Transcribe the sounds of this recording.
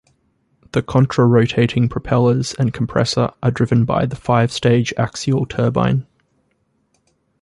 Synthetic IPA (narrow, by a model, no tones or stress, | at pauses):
ðəkʰɒ̃nt͡ʃɹ̥əɹəʊtʰeɪtʰɪ̃ŋpʰɹ̥əpʰɛləz̥ə̃nkʰə̃mpʰɹ̥ɛ̰sə̰ɹʔədɹɪvə̃nba̰ɪðəfaɪv̥steɪd͡ʒa̰ksiəlˠtʰɜːbã̰ɪ̃n